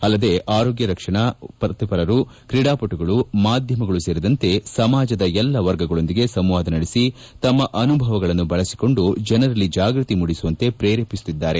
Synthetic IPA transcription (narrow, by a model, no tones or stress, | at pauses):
ɐlːɐd̪e̞ʔaːɾoːɡjɐɾɐkʂɐɳɐpɐt̪ipɐɾɐɾukɾiɽaːpoʈuɡɐɭumaːd̪ʱjɐmɐɡɐɭuse̞ːɾid̪ɐnt̪e̞sɐmaːd͡ʒɐd̪ɐɛlːɐʋɐɾɡɐɡɐɭo̞nd̪iɡe̞sɐmʋaːd̪ɐnɐɽesi | t̪ɐmːɐʔɐnubʱɐʋɐɡɐɭɐnːubɐɭɐsi̥ko̞ɳɖud͡ʒɛnɐɾɐlːid͡ʒaːɡɾut̪imuɽisuʋɐnt̪e̞pɾeːɾeːpisu̥t̪id̪ːaːɾe̞